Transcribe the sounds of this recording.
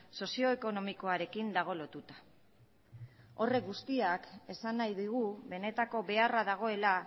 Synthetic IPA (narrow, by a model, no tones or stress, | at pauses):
so̞sio̞eko̞no̞miko̞aɾe̞kind̪aɣ̞o̞lo̞t̪ut̪ḁ | o̞re̞kɡust̪iake̞sanːajðiɣ̞uβe̞ne̞t̪ako̞βe̞araðaɣ̞o̞e̞la